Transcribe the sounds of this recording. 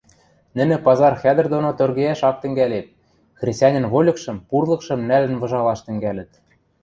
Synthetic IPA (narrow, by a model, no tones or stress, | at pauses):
nɘ̆nɘ̆pɑzɑrxæd̪ɘ̆rd̪onot̪ørɣeæʃɑk̚t̪ɘ̆ŋɡælet̪̚ | xrʲesʲtʲɑnʲɘ̆nβolʲɤ̆kʃɤ̆mpurlˠɤ̆kʃɤ̆mnælɘ̆nβɤ̆ʒɑlɑʃt̪ɘ̆ŋɡælɘ̆t̪̚